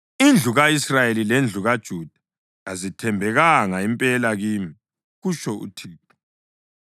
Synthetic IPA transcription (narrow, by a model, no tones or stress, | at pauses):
ind͡ɮʱuɣaisrajelilend͡ɮʱuɣad̥ʒ̥ʱud̥ʱa | ŋazitʰɛmbʱɛɣaŋaimpʼɛlaɣiːmi | ɣuʃɔʔṵtʰi